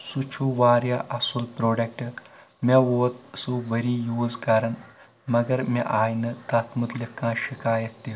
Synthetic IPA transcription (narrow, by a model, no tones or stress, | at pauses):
sut͡ʃʰuʋaːɾjaʔɐsulpɾoːɖɐk̚ʈɨ | mɐʋoːt̪suʋɐɾiːjuːzkɐɾɐn | mɐɡɐɾmɐ̰ʔaːjnɨt̪ɐt̪ʰmut̪likãːʃikaːjɐt̪ːi